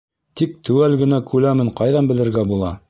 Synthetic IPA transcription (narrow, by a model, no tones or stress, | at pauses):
t̪ik̚t̪ʰɘ̆wælɡɘ̆nækʉlæmɘɴqɑjðɑnbɘ̆lɘ̆ɾɡæbulˠɑ